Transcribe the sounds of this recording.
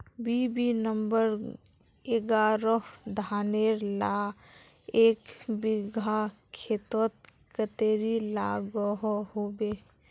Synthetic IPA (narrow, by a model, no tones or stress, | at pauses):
bibinəmbəɾ | eɡaːɾɔɦd̪ʱaːneɾla | eːkbiɡʱakʰeːt̪wət̪̚ | kət̪eːɾilaɡɔɦɦobe